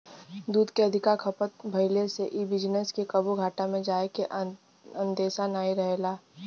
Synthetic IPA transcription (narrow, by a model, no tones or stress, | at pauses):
d̪uːd̪keɐd̪ʱɪkaɾkʰɐpət̪bʱɐɪleseʔibɪd͡ʒneskekəbuɡʱaːʈamẽd͡ʒaːekeʔ | ə̃nd̪eːʃanaːiɾɐɦeːlaː